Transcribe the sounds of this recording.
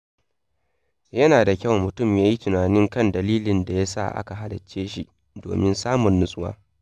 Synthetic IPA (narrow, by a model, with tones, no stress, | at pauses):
jɐ˦naː˨da˨kʲɐ˦˨wmːʊ˨tʊ˦˨mjaː˦ji˦tʊ˨naː˨nɪ˦ŋkɐ˦ndɐ˨liː˦lɪ˨nda˨ja˦sa̰˦˨ʔa̰˦ka˨ɦa˦lɐ˨t͡ʃːeː˦ʃi˦ʔ | do̰ː˨mɪ˦nsaː˦mʊ˨nːʊ˦sʼʊ˦wa̰ː˦